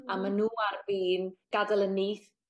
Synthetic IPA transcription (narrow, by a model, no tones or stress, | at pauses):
amanuːarviːnɡ̥adəlˠəniːθ